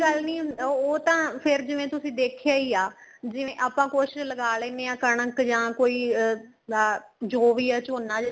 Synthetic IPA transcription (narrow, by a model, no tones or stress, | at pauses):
ɡəlniːoːt̪ãːpʰɪɾd͡ʒɪʋẽːt̪ʊsĩːd̪eːkʰjaːiːaː | d͡ʒɪʋẽːʔaːpãːkoːʃɪʃləɡaːlẽːneːãːkəɳ̃əkd͡ʒãːkoːiː | d͡ʒoːʋiːaːt͡ʃoːnːaːd͡ʒ